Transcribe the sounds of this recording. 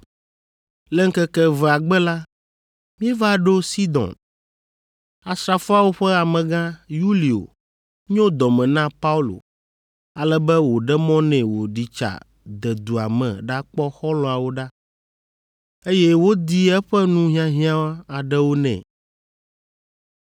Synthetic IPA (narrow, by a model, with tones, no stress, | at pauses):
lɛ˦ŋ̩˦kɛ˦kɛ˦vɛ˨a˨ɡ͡bɛ˦la˦ | mĩ˦ɛ˦va˦ɖo˦si˦d̪ɔ̰̃˨n | a˨sɾa˨fo˦a˦wo˦ɸɛ˦a˨mɛ̃˨ɡã˦ju˦li˨o̰˨ | ɲɔ̃˦d̪ɔ˨mɛ̃˨nã˦pa˦u˦lo̰˨ | a˨lɛ˦bɛ˦wo˨ɖɛ˦mɔ̃˦nɛ̃˨wo˨ɖi˨t͡ʃa̰˨ | d̪ɛ˨d̪u˨a̰˨mɛ̰̃˨ɖa˦k͡pɔ˦xɔ˦lɔ̃˨a˨wo˦ɖa˦ | e˦jɛ˦wo˦d̪i˦ɛ˦ɸɛ˦nũ˦ɦĩ˦ã˦ɦĩ˦ã˦wa˦a˨ɖɛ˦wo˦nɛ̰̃˨